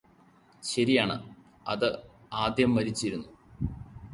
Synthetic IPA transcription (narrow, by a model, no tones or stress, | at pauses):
ɕɐɾijaːɳɨ̰ | ɐ̰ðɨ | aːd̪jɐmːɐɾit͡ɕːiɾunːu